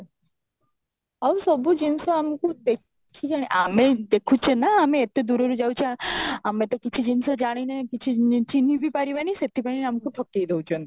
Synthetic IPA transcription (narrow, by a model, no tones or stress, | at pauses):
awsɔbud͡ʒinsaamkud̪e | id͡ʒaɽ̃eʔamed̪ekʰut͡ʃʰenaːmeet̪ed̪uɾoɾud͡ʒawt͡ʃʰiaamet̪ekit͡ʃʰid͡ʒinsad͡ʒaɽ̃inekit͡ʃʰit͡ʃinibipaɾibaniset̪ipaɽinamkuʈ̪ʰɔkːijd̪ewt͡ʃʰɔn